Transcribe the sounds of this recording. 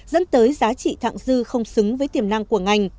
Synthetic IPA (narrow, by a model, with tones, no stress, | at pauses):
zə̰˧˥nt̪əː˨˦jzaː˨˦t͡ɕḭ˧˨t̪ʰa̰ː˧˨ŋzɨ˧xə˧wŋ͡msɨ˨˦ŋvəː˨˦jt̪i˧˩əmna˧ŋku˧˩əŋa˧jŋ̟